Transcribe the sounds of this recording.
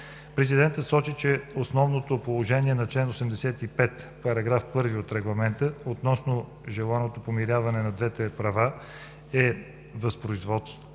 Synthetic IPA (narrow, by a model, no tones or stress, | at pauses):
pɾɛzid̪ɛnt̪ət̪sɔt͡ʃit͡ʃɛosnɔvnot̪opolˠoʒɛniɛnɐt͡ʃlɛnosɛmd̪ɛsɛt̪ipɛt̪ | pɐɾɐɡɾafpɤɾviot̪ɾɛɡlˠɐmɛnt̪əot̪nɔsno | ʒɛlˠanot̪opomiɾʲavɐnɛnɐd̪vɛt̪ɛpɾɐva | ɛ | vəspɾoizvɔt̪